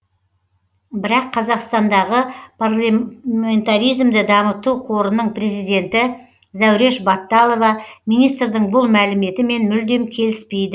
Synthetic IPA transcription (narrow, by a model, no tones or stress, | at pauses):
bɪɾɑqʰːɑzɑqst̪ɑnd̪ɑʁəpʰarlˠme̞nt̪aɾʲijzmd̪ɪd̪ɑmət̪uqʰo̞ɾənəɴpre̞zijd̪ʲe̞nt̪ɪ | zæwɾe̞ʃbɑt̪ːɑlˠo̞vɑmijnijst̪ɾd̪əɴbʊlˠmælɪme̞t̪ɪme̞nmʏld̪e̞mkʲʰe̞lɪspe̞jd̪ɪ